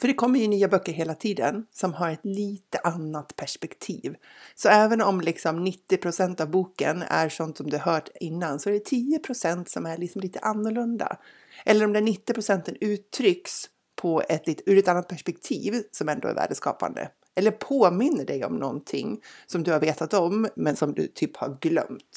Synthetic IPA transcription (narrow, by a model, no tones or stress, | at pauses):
fœɖɛkʰɔmːəjɵnyːabœkːəɾɦeːlat̪ʰiːd̪ə̰nsɔmɦaɾɛt̪liːt̪əʔanːat̪pʰæʂpɛkt̪ʰḭːvsɔɛːvənɔmlɪksɔmnɪt̪ːɪpʰɾʊsɛnt̪avbuːkə̰næ̰ɾʂɔnt̪sɔmd̪ɵhaɦœːʈɪnːansɔɛɖɛt̪ʰiːʊpʰɾʊsɛnt̪sɔmæɭɪksɔmliːt̪ʰəʔanːʊɭɵnd̪a̰ | ʔɛlːəɾɔmd̪ɛæɳɪt̪ːɪpʰɾʊsɛnt̪ənʉ̟ːt̪ʰːɾʏks | pʰɔɛt̪liːt̪ʉːɾɛt̪anːat̪pʰæʂpɛk̚t̪ʰḭːvsɔmɛnd̪o̰ɛ̰ɾvæ̰ːɖəskɑ̰ːpa̰nd̪ə̰ | ʔɛlːəɾpʰoːmɪnːəɖɛjɔ̰mnɔ̰nt̪ʰɪ̰ŋːsɔmd̪ɵhaɾveːt̪at̪ɔmːɛnsɔmd̪ɵ̰t̪ʰyːpha̰ɾɡlœ̰mt̪